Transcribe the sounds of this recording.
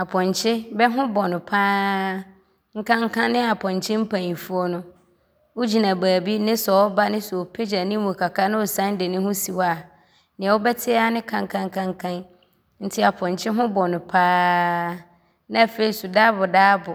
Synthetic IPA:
a˨pʰɔ̃˨ɲ˨t͡ɕʰɪ˦bɛ˦ɦʊ̃˦bɔ˨nʊ̃˨pʰaː˦ | ŋ̩˦kʰã˦ŋ˦kʰã˦nːɪ̃˦a˨pʰɔ̃˨ɲ˨t͡ɕʰɪ̃˦m̩˦pʰã˨ɲĩ˨fʊ˦ɔ˦nʊ̃˦ | wo˦d͡ʑi˨nã˨baː˨bi˦nɪ̃˦sɔ˨ɔ˦ba˦nɪ̃˦su˨o˨pʰe˦d͡ʑa˨nɪ̃˦mũ˨kʰa˨kʰa˦nɪ̃˦wʊ˨sã˦n˦dɪ˨nɪ̃˦hʊ̃˦si˨wa˨ | nɪ̃˨a˨wʊ˦bɛ˦tʰɪ˦a˦nɪ̃˦kʰã˨ŋ˨kʰã˦ŋ˦kʰã˦ŋ˦kʰã˦n | n̩˦tʰɪ˦a˨pʰɔ̃˨ɲ˨t͡ɕʰɪ˦ɦʊ̃˦bɔ˨nʊ̃˨pʰaː˦ | nã˦˨fe˨i˨su˨daː˦bʊ˨daː˦bʊ˨

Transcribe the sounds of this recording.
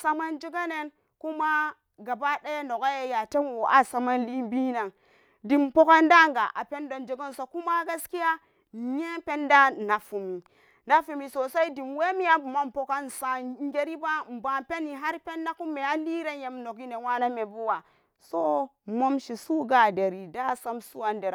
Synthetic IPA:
sa˦ma˦nd͡ʒi˦ɡa˦ne˦n | ku˦ma˦ | ɡa˨ba˦ɗe˦jno˨ɡa˦je˦ja˨te˦nwo˨ʔa˦sa˨ma˦nli˦bi˦na˨ŋ | di˨mpo˦ka˦nda˦˨ŋɡa˨ʔa˨pe˦ndo˨nd͡ʒi˨ɡa˦nso˨ku˦ma˦ɡa˦ski˦ja˦˨ | ɲe˦pe˦nda˦na˨fu˨mi˨ | na˦fu˨mi˨so˨sa˦i˦di˨mwe˦mi˦ja˦bu˨ma˦m˨po˦ka˦n˨sa˨ŋɡe˦ɾi˦ba˦m̩˨ba˨pe˦ni˨ɦa˦ɾpe˦nːa˦ku˦mːe˨a˦li˦ɾe˦je˨mno˨ki˦ne˨wa˦na˦me˨bu˦wa˨ | so˦ | mo˦mʃi˨su˦ɡa˨de˨ɾi˨da˦˨sa˦msu˦wa˨nde˨ɾ

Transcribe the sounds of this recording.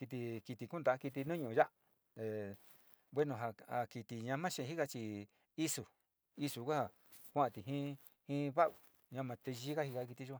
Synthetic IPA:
ki˧t̪̬i˧ki˧t̪i˧ku˦nd̪a˨a˦ki˧t̪̬i˧nũ˦ɲũ˧˨˧ja˦ʔ | t̪e˨˧ | bwe˦nõ˧ɦa˧a˧ki˧t̪i˧ɲã˧mã˦ʃẽ˧˨˧i˦ka˧t͡ʃi˧ | i˦su˧˨ | i˧su˧kʷa˦ha˨ | kʷã˦ã˧t̪i˨ɦĩ˦ | hĩ˦βa˦ʔu˨ | ɲã˧mã˧t̪e˧ʒi˦ka˦hi˧ka˧˦k̬i˧t̪i˧ʒu˦a˧

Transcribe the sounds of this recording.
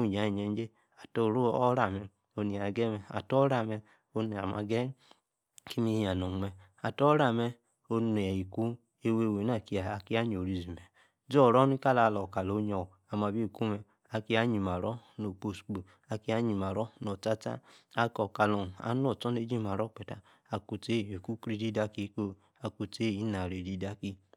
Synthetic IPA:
u˦˨ɲ˨a˨˦˨ɲɛ˨˧n˦d͡ʒe˦ | a˨to˧˨ɾo˦ɔ˦ɾa˨mɛ˧ | o˧ni˨a˨ɡɛ˦mɛ˧a̰˨tɔ˦ɾa˦˨mɛ˧ | o˧nɛ˨a̰˨ma˧ɡɛ˦ | ki˦mi˧˦a˨no˨mɛ˧ | a˨tɔ˦ɾa˨mɛ˧ | o˧n˨i˨ku˦ | e˧we˧˨we˨˦n˦a˦˨ki˧a˨a˨ki˦a˦ɲ˨o˨ɾi˨zi˨mɛ˨ | d͡ʒɔ˦˨ɾɔ˦ni˦ka˦la˧lɔ˨ka˨lo˨˦ɲɔ˨ | a˨ma˨bi˦˨ku˦mɛ˧ | a˧ki˧˦a˦ɲi˨ma˨ɾɔ˦no˨k͡po˨sk͡pu˨ | a˧ki˧˦a˦ɲi˨ma˨ɾɔ˦nɔ˨ta˦ta̰˦a˧kɔ˨ka˨lɔ˨n˨a̰˨˦n˦ɔ˨tɔ˦ne˦d͡ʒi˦ma˨ɾɔ˦k͡pɛ˨ta˨ | a˨ku˧te˦˨o˨ku˦kɾi˧˦di˦da˧˦ki˦ko˧ | a˧ku˧te˦˨i˦na˨ɾe˨di˧˦da˦ki˧

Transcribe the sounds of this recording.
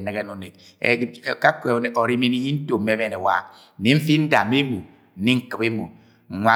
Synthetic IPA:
ne˨ɣe˦no˨ne˨k̚ | ka˦ke˨o˨ɾi˦mi˦ni˦ji˦n̩˦to˨m̩mːe˦βe˦˨ne˨wa̰˨ | ne˦m̩˦fi˦n̩˦da˨me˦mu˨ | n̩˨ni˦ŋ̩˦kɨ˨be˦mu˨ | ŋʷa˦

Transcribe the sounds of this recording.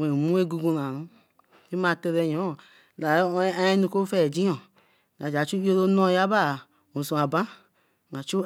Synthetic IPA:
we˨mu˦e˦ɡu˧ɡu˧n˨a˨ɾũ˦ | ti˦ma˧te˧ɾɛ˧jɔ̃˨˦˨ | la˨˦˧ɛ˦nũ˧ko˦fɛ˦˨d͡ʒi˦ɔ˨ | a˨d͡ʒa˨t͡ʃu˦o˦ɾo˦no˦˨ja˦ba˦˨ | o˨su˧˨a˨ba˦ | ma˨t͡ʃu˦

